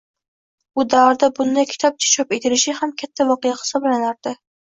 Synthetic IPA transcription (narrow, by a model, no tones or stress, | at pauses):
ʊd̪avɾd̪abʊnd̪ajkʲʰɪ̥t̪ʰɒp̚t͡ʃʰḁt͡ʃʰɒpe̞t̪ʰɪlɪʃɪhamkʲʰat̪ʰːavɒqɨjahɪ̥sɒblanaɾd̪̥ɪ